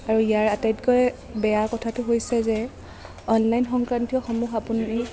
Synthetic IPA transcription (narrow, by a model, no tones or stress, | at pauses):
aɹuijaɹatajtkɔjɛ | bɛjakɔtʰatʊɦojsɛzɛ | ɔnlajnxɔŋkɹantiɔxomuxapuni